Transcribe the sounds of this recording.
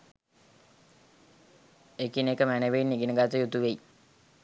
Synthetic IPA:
ekinekəmæneʋeinːiɡinəɡat̪əjut̪uʋej

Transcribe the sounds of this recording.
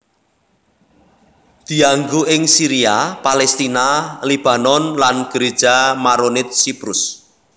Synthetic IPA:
d̪̥i̤aŋɡuɪŋsiɾiapalɛst̪inalib̥a̤nɔnlanɡ̥əɾe̥ʒ̥amaɾonɪt̪̚sipɾʊs

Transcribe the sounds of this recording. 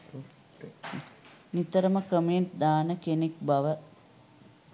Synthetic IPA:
nit̪əɾəməkəmeɳʈd̪aːnəkenekbɐʋə

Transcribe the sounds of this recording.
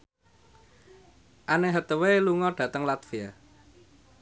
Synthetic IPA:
ʔaneɦət̪əweluŋɔɖ̥ä̤t̪əŋlat̪fia

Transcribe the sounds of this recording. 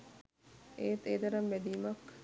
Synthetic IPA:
ʔeːt̪eːd̪ɐɾɐmʋæd̪iːmɐk

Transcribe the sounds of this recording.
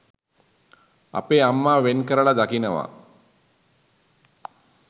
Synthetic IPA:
a̰peːamːaːʋenkəɾəɭad̪akinəʋa̰

